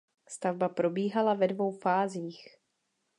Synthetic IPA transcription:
st̪avbapɾo̞biːɦalavɛdvo̞wfaːziːx

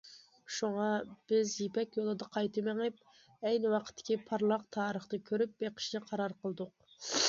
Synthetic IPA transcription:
ʃuŋɑb̥ɪzjepɛkʲjolˠɨd̪ɑqʰɑjt̪ɨmeŋɪp̚ | ɛjnɪwɑqʰə̥t̪ʰːɪ̥kʲipʰɑɾlˠɑq̚t̪ʰɑːɾəχt̪ɨkʲʰøɾyp̚beqʰə̥ʃnɛqʰɑɾɑɾqəlˠɨd̪ʊq̚

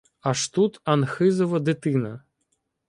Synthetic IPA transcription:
aʂt̪ut̪ɐnxɪzɔvɐd̪ɪt̪ɪnɐ

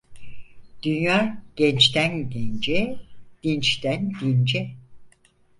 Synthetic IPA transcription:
d̪̥ynjaːɟ̥ɛnt͡ʃt̪ænɟɛnd͡ʒɛd̪̥int͡ʃt̪ænd̪ind͡ʒɛ

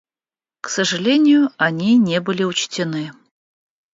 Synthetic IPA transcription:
ksəʐɨlʲenʲɪjʊɐnʲinʲebɨlʲɪʊt͡ɕtʲɪnɨ

